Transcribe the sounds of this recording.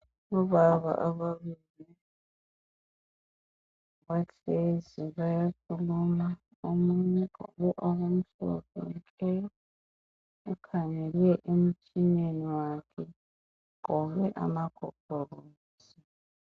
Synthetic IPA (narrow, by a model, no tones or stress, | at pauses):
ɔβaβa̰ʔaβaβili | βatʰeziβajakʰuluma | omuɲɛ̰βuʔoɣom̩ɬɔ̰kʰɔ̰kʼɛjɔ | ukʰaɲɛlɛʔem̩t͡ʃʰʼineniwakʰɛ | kɔβɛʔa̰makʰɔpʰɔroː | zi